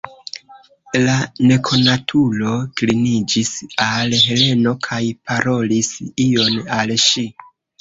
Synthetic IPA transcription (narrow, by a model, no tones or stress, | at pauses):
lane̞kʰo̞natʰulo̞klinid͡ʒisalɦe̞le̞no̞kʰajpʰaɾo̞lisio̞nalʃi